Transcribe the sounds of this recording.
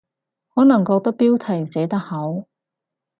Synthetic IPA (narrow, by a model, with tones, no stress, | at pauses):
hɔː˨˥nɐ˨˩ŋkɔː˧k̚t̪ɐ˥k̚piː˥wt̪ʰɐ˨˩jsɛː˨˥t̪ɐ˥k̚hɐ˨˥w